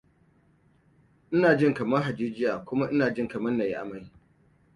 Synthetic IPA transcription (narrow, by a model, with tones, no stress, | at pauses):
ʔɪ˦naː˨d͡ʒɪ˦ŋkɐ˨mɐ˦rɦa˨d͡ʒiː˦d͡ʒɪ˦jaː˨kʷʊ˦ma˦ʔɪ˦naː˨d͡ʒɪ˦ŋkɐ˨mɐ˦nna˨ji˦ʔa̰˨ma˦j